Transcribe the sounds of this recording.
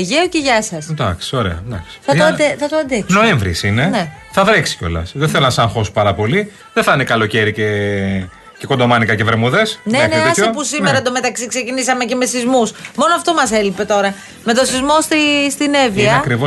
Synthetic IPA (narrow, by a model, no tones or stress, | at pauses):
ʝeoceʝɐsɐsnd̪ɐksi̥o̞ɾe̞̰ɐ̰nd̪ɐ̰ksi̥θɐoɐeθɐt̪oɐnd̪eksno̞eɱvɾḭsinene | θɐðɾeksi̥ceo̞̰lɐ̰sðeθelonɐsɐŋxo̞su̥pɐɾɐpo̞li | ðeθɐnekɐlo̞ce̞ɾice | ce̞kod̪o̞mɐnikɐceveɾmuðe̞sneneɐisoopusimeɾɐd̪o̞me̞t̪ɐksiksecinisɐme̞ce̞mesθizmusmo̞noɐft̪o̞mɐse̞lipe̞t̪o̞ɾɐ | me̞t̪osizmo̞st̪ist̪ineviɐɐkɾivo